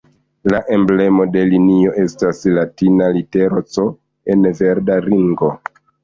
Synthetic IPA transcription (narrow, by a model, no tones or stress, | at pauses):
laʔe̞mble̞mo̞de̞linio̞ʔe̞staslatinalite̞ɾot͡so̞ | e̞nve̞ɾdaɾiŋɡo̞